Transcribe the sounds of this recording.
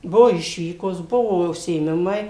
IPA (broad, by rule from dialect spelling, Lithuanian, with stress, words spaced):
ˈbʊʋoː ˈɪʃʲʋʲiːkoːs ˈbʊʋoː ʊʃʲsʲɪeːˈmʲɪmɐɪ